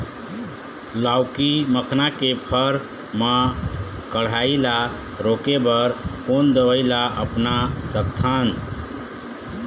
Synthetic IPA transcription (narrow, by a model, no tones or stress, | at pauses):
lawkiməkʰnakepʰəɾ | mã | kəɽ̤aila | ɾokebəɾkond̪əʋəɪlaʔə̰pnasək̚t̪ʰan